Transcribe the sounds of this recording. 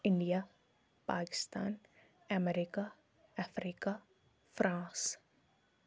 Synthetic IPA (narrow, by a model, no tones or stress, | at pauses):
ɪ̃ɳɖija | paːkɪ̥st̪aːn | ɛmɛɾika | ɛfɾiːka | fɾʔãːs